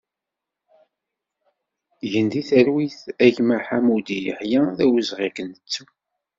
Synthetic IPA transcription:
ʝənd̪iθəɾwiθæʝmaħamud̪ijəħjæðæwəzʁikənət͡sːu

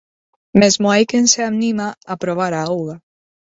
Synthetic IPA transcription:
mezmoajkenseamnimaapɾoβaɾaowla

